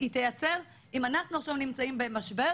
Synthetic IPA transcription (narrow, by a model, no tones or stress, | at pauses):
it̪ajat͡se̞ʁ | imanaχnuaχʃavnimt͡saimbe̞maʃbe̞ʁ